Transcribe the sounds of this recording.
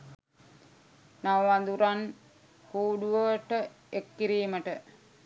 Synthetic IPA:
naʋʋand̪uɾan | huːɖuʋəʈə | ekːiɾiːməʈə

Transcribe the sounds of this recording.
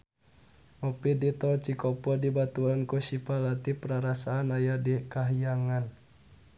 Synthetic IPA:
mɔpidit̪ɔt͡ʃikɔpɔdibat̪uankusipalat̪ipəɾaɾasaːnajadikaɦijaŋan

